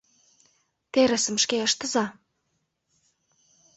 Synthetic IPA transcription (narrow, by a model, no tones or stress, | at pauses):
t̪eɾə̆sə̆mʃkeə̆ʃt̪ə̆zɑ